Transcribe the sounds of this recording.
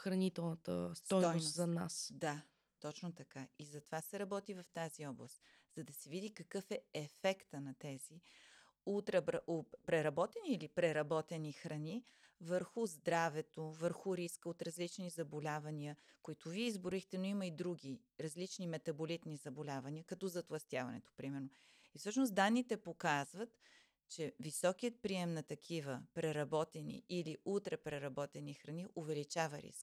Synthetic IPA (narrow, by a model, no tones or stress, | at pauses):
xɾɐnit̪ɛlˠnət̪ə̰st̪ɔj̪ɔjnsozɐna̰sd̪a | t̪ɔt͡ʃnot̪ɐkaizɐt̪ovasɛɾɐbɔt̪ivɐft̪aziɔblˠəst̪ | z̥ɐd̪ɐsɛvid̪ikɐkɤfɛɛfɛkt̪ənɐt̪ɛzi | ut̪ɾɐbɾɐʔopɾɛɾɐbɔt̪ɛniːlipɾɛɾɐbɔt̪ɛnixɾɐni | vəɾxʊzd̪ɾavɛt̪ovəɾxʊɾiskəot̪ɾɐzlit͡ʃnizɐbolʲavɐniəkoit̪ʊviɛizbʊɾixt̪ɛnoiməid̪ɾuɡi | ɾɐzlit͡ʃnimɛt̪ɐbolit̪nizɐbolʲavɐniəkɐt̪ɔzɐt̪lˠɐst̪ʲjavɐ̰nɛ̰t̪o̥pɾimɛɾnoʊ | ifsɤʃnosd̪anːit̪ɛpokazvət̪ | t͡ʃɛvisɔkiət̪̚pɾiɛmnɐt̪ɐkʰivəpɾɛɾɐbɔt̪ɛnḭːliut̪ɾɛpɾɛɾɐbɔt̪ɛnixɾɐniʔovɛlit͡ʃavəɾḭsk